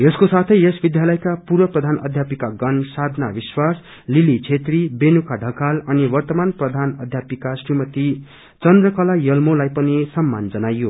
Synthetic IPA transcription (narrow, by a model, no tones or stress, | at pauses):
jeskosat̪ʰʌjesbid̪jalʌjkapurwʌprʌd̪ʱanʌ̰d̪ʱjapikaɡʌnsad̪ʱnabiswas | lilit͡sʰet̪ribenukaɖʱʌkalʌniwʌrt̪ʌmanprʌd̪ʱanʌd̪ʱjapikasrimʌt̪i | t͡sʌnd̪rʌkʌlajʌlmolajpʌnisʌmːand͡zʌnajo